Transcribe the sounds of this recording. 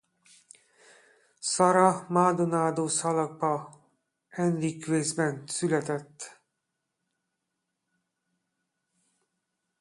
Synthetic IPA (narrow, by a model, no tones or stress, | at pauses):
sɒɾɒmaːd̪onaːd̪oːsɒlɒɡ̚bɒ | ɛnrikʋeːzbɛnsylɛt̪ɛt̪ː